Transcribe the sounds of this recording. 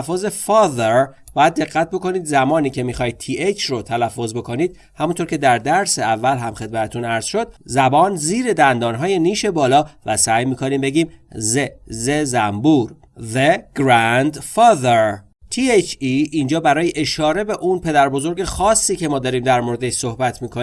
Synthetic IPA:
fːoze̞fɒːðeɾ | bɒːjæd̪̚ːe̞ɣːæt̪̚bo̞ko̞niːd̪zæmɒːniːcʰe̞mixɒːjd̪̥̚t̪ʰiːʔet͡ʃʰrot̪ʰælæfːo̞zbe̞kʰo̞niːd̪̥̚ | hæmunt̪ʰoːɾcʰe̞d̪æɾd̪æɾseævːælɦæmxe̞d̪mæt̪ʰet̪ʰunæɾz̥ʃo̞d̪̥̚zæbɒːnziːɾe̞d̪ænd̪ɒːnɦɒːje̞niːʃe̞bɒːlɒːvæsæːjmiːkʰoniːmbe̞ɟiːmzezezæmbuːɾ | ðeɡ̥ɾænd̪fɒːðeɾ | t̪ʰiet͡ʃʰiʔind͡ʒɒːbæɾɒːjeʔeʃɒːɾe̞be̞ʔunpʰe̞d̪æɾbo̞zo̞ɾɟe̞xɒːsːiːcʰe̞mɒːd̪ɒːɾiːmd̪æɾmoɾed̪eʃso̞hbæt̪ʰmiːkʰo

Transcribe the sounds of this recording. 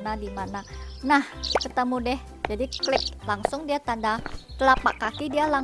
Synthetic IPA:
nadimananahkət̪əmudɛh | d͡ʒadiklɪk̚laŋsʊŋdiat̪andat̪əlapa̰kakidiala

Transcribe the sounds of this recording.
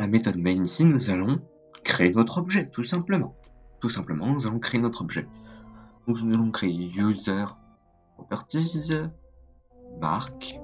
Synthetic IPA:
lamet̪ɔd̪mansinuzalɔ̃ | kχeenɔt̪χɔbʒɛt̪usɛ̃pləmɑ̃t̪usɛ̃pləmɑ̃nuzalɔ̃kχeenɔt̪χɔbʒɛ | d̪̥ɔ̃knuzalɔ̃kχeejuzœʁ | ʁɔpaʁt̪iz | ma̰ʁk

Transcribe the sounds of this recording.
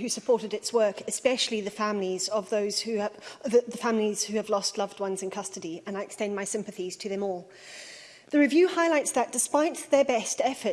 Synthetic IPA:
hʉsɨpʰɔɹɾɨɾɨtswɜ˞kɨspɛʃl̩ˠiðɨfæ̃mlizʌvðoʊz̥hʉððəfæ̃ml̩iz̥hʉɨvlɔstˡlʌvd̚wʌ̃nzɨ̃nkʰʌstɨdiɨ̃naɪɨkstɛ̃ɪ̃nmaɪsɪ̃mpɨθiz̥tʰɨðɨ̃mɔlˠ | ðɨɹɨvjʉhaɪlaɪtsðɨt̚d̥ɨspaɪt̪̚ðə˞bɛstɛfə˞

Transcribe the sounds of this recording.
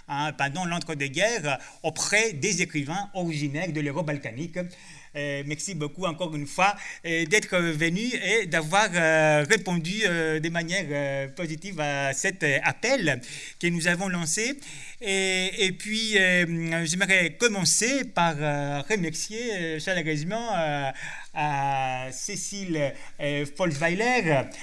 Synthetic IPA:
ɛ̃pɑ̃d̪ɑ̃lɑ̃t̪χəd̪əɡɛʁ | opχɛd̪ezekχivɛ̃ɔʁiʒinɛʁd̪əløʁɔbalkanik | mɛʁsibokuɑ̃kɔʁynfwad̪ɛt̪χəvənyed̪avwaʁʁepɔ̃d̪yød̪əmanjɛʁøpozit̪ivasɛt̪apɛl | kənuzavɔ̃lɑ̃se | pɥiøʒəməʁɛkɔmɑ̃sepaʁʁəmɛʁsjeʃəlaʁezimɑ̃ | a | sesil | fɔlvajlɛʁ

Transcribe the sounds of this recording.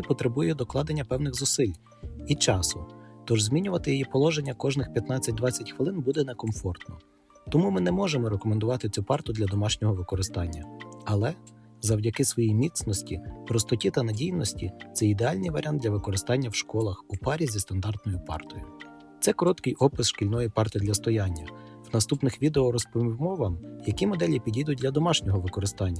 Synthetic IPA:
ipɔt̪ɾebujɛd̪ɔklˠɑd̪enʲːɐpɛwnɪɣzʊsɪlʲ | it͡ʃɑsʊt̪ɔʒzʲmʲinʲʊʋɐt̪ɪjɔjipɔlˠɔʒenʲːɐkɔʒnɪxpʲjɐt̪nɑt͡sʲːɐt̚ʲd̪ʋɑt͡sʲːɐtʲxʋɪlˠɪnbud̪ɛnɛkɔmfɔrt̪nɔ | t̪ɔmumɪnɛmɔʒemɔɾekɔmend̪ʊʋɑt̪ɪt͡sʲupɑrt̪ʊd̪lʲɐd̪ɔmɑʃnʲɔɦɔʋɪkɔɾɪst̪ɑnʲːɐɐlˠɛ | zɐwdʲɐkɪsʋɔjijmʲit̪snɔsʲtʲipɾɔst̪ɔtʲit̪ɐnɐdʲijnɔsʲtʲit̪sɛid̪eɑlʲnɪjʋɐɾʲʔɑnd̪lʲɐʋɪkɔɾɪst̪ɑnʲːɐwʃkɔlˠɐxupɑɾʲizʲist̪ɐnd̪ɑrd̪nɔjʊpɑ̰rt̪ɔjʊ | t̪sɛkɔɾɔt̪kɪjʔɔpɪsʃkilʲnɔjipɑrt̪ɪd̪lʲɐst̪ɔjɑnʲːɐ | wnɐst̪upnɪxʋʲid̪eɔɾɔspmɔʋɐmjɐkimɔd̪ɛlʲipʲidʲijd̪ʊt̚ʲdlʲɐd̪ɔmɑʃnʲɔɦɔʋɪkɔɾɪst̪ɑnʲːɐ

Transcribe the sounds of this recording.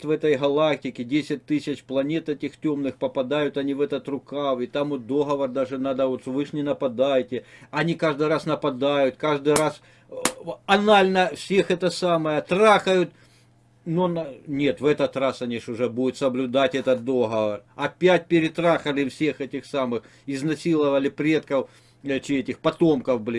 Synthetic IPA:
t̪vɛt̪əjɦɐlˠak̚tʲɪkʲɪdʲesʲɪt̚ʲt̪ɨsʲɪt͡ɕplˠɐnʲet̪ɛtʲɪxtʲo̞mnɨxpɐpɐd̪ajʊt̪ɐnʲivɛt̪ət̪rʊkavit̪amot̪̚d̪o̞ɦɐʋɐrd̪aʐɨnad̪əot̪vɨʂnʲɪnɐpɐd̪ajɪtʲɪɐnʲikaʐd̪ɨjɾasnɐpɐd̪ajʊt̪kaʐd̪ɨɾas | ɐnalʲnəfsʲe̞xɛt̪əsaməjət̪ɾaxəjʊt̪ | nonnʲe̞t̪vɛt̪ɐt̪rasɐnʲiʂʊʐɛbudʲʊt̪səblʲʊd̪atʲɛt̪ət̪̚d̪oɦɐʋɐrɐpʲæt̚ʲpʲɪɾʲɪt̪ɾaxɐlʲɪfsʲe̞xɛtʲɪxsamɨx | ɪznɐsʲilˠəʋɐlʲɪpɾʲe̞t̪̚kɐw | t͡ɕetʲɪxpɐt̪o̞mkɐfblʲi

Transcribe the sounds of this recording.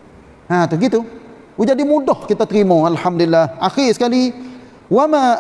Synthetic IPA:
hat̪uhɡit̪u | wud͡ʒadimudɔhkit̪at̪ɾimoalħamdilːahʔaxisə̥kali | wama

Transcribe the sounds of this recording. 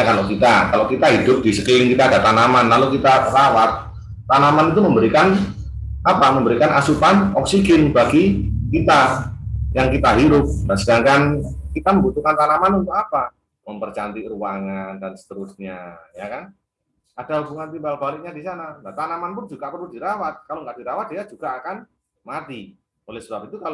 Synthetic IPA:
akalokit̪akalokit̪aɦidʊp̚disəkilɪŋkit̪aːɡat̪anamanlalokit̪arawat̪̚ | t̪anamanit̪uməmbəɾikan | apaməmbəɾikanʔasupanɔksiɡɪnbaɡikit̪a | jaŋkit̪aɦiɾʊp̚nasədaŋkankit̪aməmbut̪ukant̪anamanunt̪ʊkapa | məmpərt͡ʃant̪iʔruwaŋandansə̥t̪əɾʊsɲajakan | ad̥aɦubuŋant̪imbalbalɪk̚ɲadisanaŋɡaʔt̪anamanpʊnd͡ʒuɡapəlʊdiɾawat̪̚kaloŋɡaʔdiɾawat̪̚jad͡ʒuɡ̥aːkan | mat̪i | olɛhsəbap̚it̪ukal

